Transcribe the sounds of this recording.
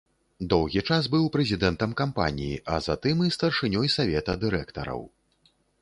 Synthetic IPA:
d̪ɔwɣʲit͡ʂasbɨwpɾɛzʲid̪ɛnt̪ɐmkampa̰nʲḭjiʔɐ̰za̰t̪ɨmist̪ɐrʂɨnʲɔjsavʲɛt̪ɐd̪ɨɾɛkt̪ɐ̰ɾɐ̰w

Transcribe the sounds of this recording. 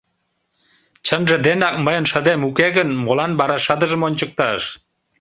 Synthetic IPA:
t͡ɕənʒĕd̪enɑk̚məjənʃə̆d̪emukeɣənmolɑnbɑɾɑʃəd̪əʒəmonʲt͡ɕək̚t̪ɑʃ

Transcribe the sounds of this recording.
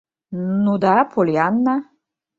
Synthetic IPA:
nud̪apʰoljanːa

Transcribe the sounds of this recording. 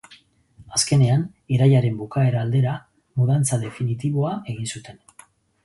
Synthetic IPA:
aske̞ne̞an | iɾajaɾe̞mbukae̞ɾaːld̪e̞ɾa | muð̞ant͡saðe̞finit̪iβo̞ae̞ɣinsut̪e̞n

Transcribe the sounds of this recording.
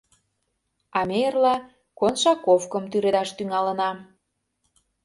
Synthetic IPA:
ɑmejərlɑ | konʃɑkofkə̆mt̪yɾed̪ɑʃt̪yŋɑlənɑ

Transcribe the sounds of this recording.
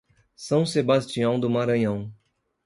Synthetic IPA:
sɐ̃w̃sebast͡ʃiɐ̃w̃d̪ʊmaɾɐ̃ɲɐ̃w̃

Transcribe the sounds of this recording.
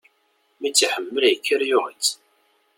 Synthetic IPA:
mit͡sːħəmːəljkːəɾjʊʁət͡sː

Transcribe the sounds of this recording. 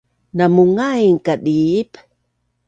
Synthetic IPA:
namuŋajŋkaɗiip

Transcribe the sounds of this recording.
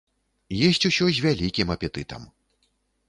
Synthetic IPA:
jɛsʲt͡sʲusʲɔzʲvʲalʲikʲimɐpʲɛt̪ɨt̪ɐ̰m

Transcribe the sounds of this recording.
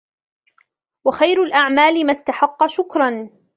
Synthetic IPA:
waxajɾalʔaʕmaːlɪmast̪aħɑqːɑʃʊkɾˤɑn

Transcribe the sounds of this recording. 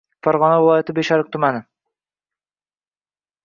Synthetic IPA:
faɾʁɒnavɪlˠɒjat̪ʰɪbeʃaɾɪk̚t̪ʰʊmanɪ

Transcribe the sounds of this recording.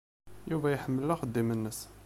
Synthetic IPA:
juvæjħəmːəlːæxəd̪ːimənːəs

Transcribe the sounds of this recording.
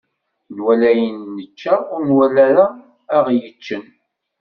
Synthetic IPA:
nwælæjənːət͡ʃːaʊɾnwælæɾaː | ʁjət͡ʃːən

